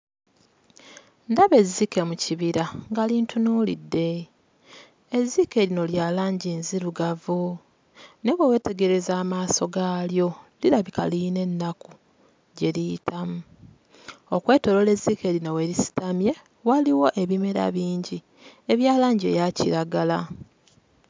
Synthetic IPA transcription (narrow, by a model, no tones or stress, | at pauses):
ndaβe̞zːike̞muciβiɾaŋɡaliːntunuːlḭdːe̞ | ezːike̞ɾino̞ljaːlaːɲɟiːnziɾuɡavu | ne̞wewe̞te̞ɡe̞ɾe̞zaːmaːso̞ɡaːljo̞liɾaβika̰line̞nːaku | ɟe̞liitʰamu | okwe̞ːto̞lo̞le̞zːike̞ɾino̞weɾisi̥tamje̞ | waliwo̞ʔe̞βime̞ɾa̰βiːɲɟi | eβjaːlaːɲɟie̞̰jaciɾaɡala